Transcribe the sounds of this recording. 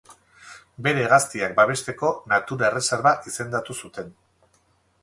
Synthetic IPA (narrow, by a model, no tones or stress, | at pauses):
be̞ɾeɣast̪iak̚baβ̞e̞st̪e̞ko̞nat̪uɾaere̞seɾβaʔise̞nd̪at̪usut̪e̞n